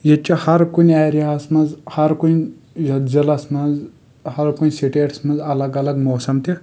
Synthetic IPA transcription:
jet͡ʃihɐɾkunʲaːɾiasmɐzhɐɾkunʲ | jɐzɐlɐsmɐnz | hɐɾkunʲsiʈeːʈsmɐzɐlɐɡɐlɐɡmoːsɐmt̪i

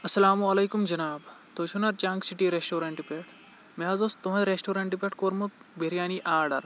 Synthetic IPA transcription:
ɐsɐlaːmuɐlɐjkumd͡ʒɐnaːbt̪ot͡ʃʰunɐɾt͡ʃaŋksiʈiːɾesʈoːɾɐɳʈipeʈʰ | meɦɐzost̪uɦɐ̃t̪ɾesʈoːɾɐɳʈipeʈkoːɾmut̪̚beɾijaːniʔaːɾɖɐɾ

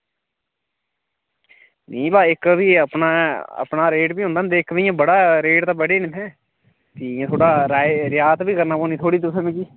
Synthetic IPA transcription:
nĩːbaːɪkbiːəpnaːə̰pnaːɾeːʈbiːʊ̃nd̪aːnd̪eːɪkʰːʋijãːbəɽaːɾeːʈt̪aːbəɽeːnɪt̪ʰɛ̃ː | t̪iːãːt̪ʰoːɽaːɾaːɾɪjaːt̪biːkəɾnaːpoːniːt̪ʰoːɽiːt̪ʊsẽːmĩːd͡ʒiː

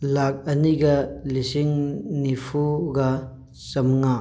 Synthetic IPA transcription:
lak̚ɐniɡɐlisiŋnipʰuɡɐ | sɐmŋa

